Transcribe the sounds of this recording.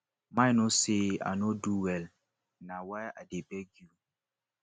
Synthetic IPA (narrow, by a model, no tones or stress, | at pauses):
majnosea̰noduwɛl | nawaa̰debɛɡju